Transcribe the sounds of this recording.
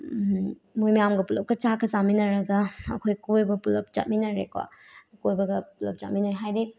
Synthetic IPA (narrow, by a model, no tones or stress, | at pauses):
mojmijamɡɐpulɐp̚kɐt͡ʃakʰɐzaminɐɾɐɡɐɐ̰kʰojkojbɐpulɐp̚t͡ʃa̰t̚minɐɾekwa̰kojbɐɡɐpulɐp̚t͡ʃat̚minojɦajdi